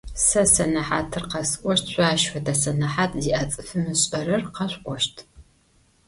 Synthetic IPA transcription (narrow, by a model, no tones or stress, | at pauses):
sɐsɐnɐħaːtʰɨrqɐsɨʔʷʼɔʃtʰɕʷaːʃfɐdɐsɐnɐħaːtʰziʔɐt͡sʼɨfɨmɨɕʼɐɾɐrqɐɕʷʔʷɔʃtʰ